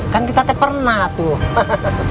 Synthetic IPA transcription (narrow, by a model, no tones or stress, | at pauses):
kankit̪at̪ɛpərnaht̪u